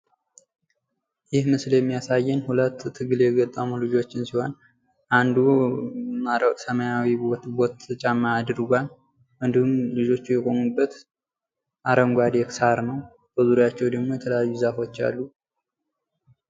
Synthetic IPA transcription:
jɪhmɨsljɛmːijasajːɨnhulət̪ʰːɨɡɨljɛɡət̪ʼːamulɨd͡ʒo̞t͡ʃːɪnsiho̞n | ʔand̪u | asəməjawiobot̪ːɨt͡ʃʼamːad̪ɨɾɡʷan | ʔɨnd̪ihumlɨd͡ʒo̞t͡ʃːujɛɡʼo̞mubːət̪ | ʔaɾəŋɡʷad̪eksaɾnəw | b̥əzuɾjat͡ʃːɛwd̪əɡmo̞jɛt̪ʰələjajːuzafo̞t͡ʃːa̰lːu

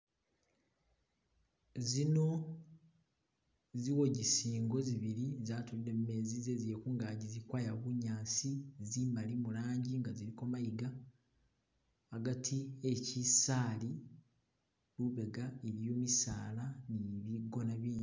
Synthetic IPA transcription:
zino̞ | ziwo̞ɟisiːŋɡo̞ziβiɾizaːtuliɾemme̞zize̞ziekuːŋɡaːɟizikwaːjaβuɲaːsizimalimulaːɲɟiŋɡaziɾiko̞majiɡa | ɡatʰiecisaːli | luβe̞ɡaeɾijo̞ːmisaːlaniβiɡo̞naβiːɲi

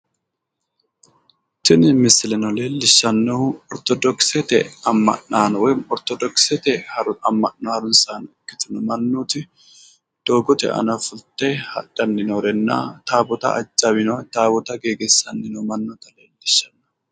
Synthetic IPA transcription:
t̪ɪnɪmɪsɪlɛnɔle̞ːlːɪʃːɐnːɔɔɾt̪ɔd̪ɔksɛt̪ɛ̰ɐmːɐ̰nːaːnɔwɛɔɾt̪ɔd̪ɔksɛt̪ɛhɐɾʊɐmːɐnːaːɾʊnsaːnɪkːɪ̥t̪ʊnʊmɐnːuːt̪ɪ | d̪̥o̞ːɡɔt̪ɛ̰ʔɐ̰nɐfʊlt̪eːhɐ̰ᶑɐnːɪnɔɾɛnːa̰ːt̪aːbɔt̪ɐ̰ʔɐ̰d͡ʒʼːɐbɪnɔt̪aːbɔt̪ɐɡeːɡɛsːɐnːɪnɔmɐnːɔt̪ɐle̞ːlːɪʃːɐnːɐ̥

